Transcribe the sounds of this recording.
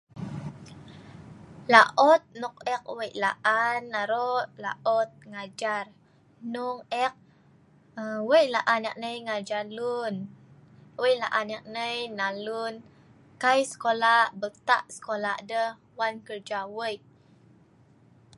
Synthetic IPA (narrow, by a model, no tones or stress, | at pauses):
laʔɔt̪̚nɔk̚ɛk̚wəjʔlaʔanːaɾɔʔlaʔɔt̪̚ŋad͡ʒar | nɔŋɛk̚ | əwəjʔlaʔana̰ʔ̚nəjŋad͡ʒalun | wəjʔla̰ʔanak̚nəjnalun | kajsə̥kolabət̪a̰ʔsə̥kolaʔdəh | wankərd͡ʒawəjʔ